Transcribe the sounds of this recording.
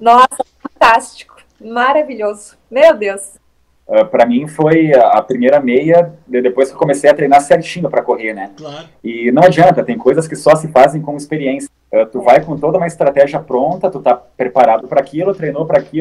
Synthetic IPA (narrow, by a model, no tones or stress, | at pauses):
nɔsɐfɐ̃nt̪ast͡ʃi̥kʊ̥ | maɾaviʎozʊ | mewd̪ews | ɛpɾɐmĩfojɐpɾimejɾɐmejɐd̪ɪd̪epojskewkomesejɐt̪ɾejnaɾsɛɾt͡ʃĩnʊpɾɐkoheɾnɛ | ɪnɐ̃w̃ad͡ʒiɐ̃nt̪ɐt̪ẽj̃kojzɐskɪsɔsɪfazẽj̃kõɪspeɾiẽsɐ | ɛt̪uvajkõt̪od̪ɐumɐɪst̪ɾat̪ɛʒiɐpɾõnt̪ɐt̪ut̪apɾepaɾad̪ʊpɾɐaːkilʊt̪ɾejnopɾɐːkʰilʊ